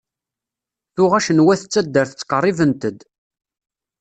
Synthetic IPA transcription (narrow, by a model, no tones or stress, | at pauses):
θʊʁæʃənwæθət͡sːæd̪ːəɾθə̥t͡sːqərˤːivənt̪əd̪